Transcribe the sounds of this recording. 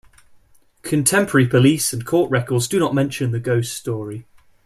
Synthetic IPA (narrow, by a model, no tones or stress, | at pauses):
kʰə̃ntʰɛ̃mpʰəɹɹəɹipʰəliˑsə̃nkʰɔˑʔɹɛkɔːdzdənəʔmɛ̃nʃə̃nðəɡəʊsstɔːɹi